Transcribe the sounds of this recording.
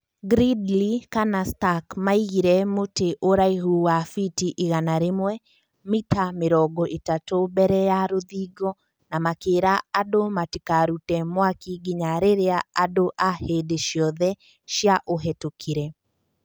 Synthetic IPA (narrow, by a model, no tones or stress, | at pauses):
ɡɾidlikanastakmaiɣiɾɛmoteʔoɾaiɦuwafitiʔiɣanaɾemwɛ | mitameɾɔɡɔʔetatobɛɾɛjaɾoðiːɡɔ | namakeːɾaːdomatikaɾutɛmwakiɡiɲaɾeɾeaadoʔahedeʃjɔðɛ | ʃjaʔoɦɛtokʰiɾɛ